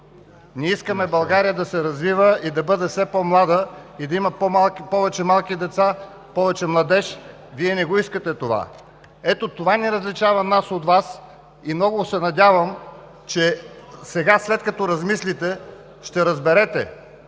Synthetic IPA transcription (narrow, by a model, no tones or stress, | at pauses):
nʲiiskəmɛbɐlˠɡaɾijəd̪ɐsɛɾɐzvivəid̪ɐbɤd̪ɛfsɛpɔmlˠad̪əid̪ɐiməpɔpɔvɛt͡ʃɛmalˠkid̪ɛt̪sa | pɔvɛt͡ʃɛmlˠɐd̪ɛʃ | viɛnɛɡoiskət̪ɛt̪ova̰ | ɛt̪ot̪ovanɛɾɐzlit͡ʃavɐnasot̪vas | imnɔɡʊsɛnɐd̪ʲavəm | t͡ʃɛsɛɡaslɛt̪kɐt̪ɔɾɐzmislit̪ɛ | ʃt̪ɛɾɐzbɛɾɛt̪ɛ̰